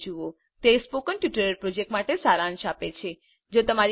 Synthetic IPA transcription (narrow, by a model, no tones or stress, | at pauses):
d͡ʒuo | t̪espokənʈjuʈəɾəɾpɾod͡ʒek̚ʈmaʈesaɾanʃapet͡ʃʰe | d͡ʒot̪əmaɾ